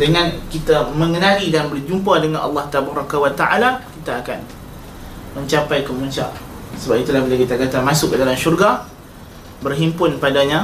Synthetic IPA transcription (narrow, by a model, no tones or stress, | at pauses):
dəŋãnkit̪amə̃ŋənãlidanbərd͡ʒumpadəŋãnʔɑ̰lːɑht̪abaɾakawat̪aʔalakit̪aːkan | mə̃ɲt͡ʃapajkəmuɲt͡ʃa̰ʔsəbapit̪ulahbilakit̪akat̪amãsʊk̚ːədalamʃurɡa | bərɦimpʊnpadaɲã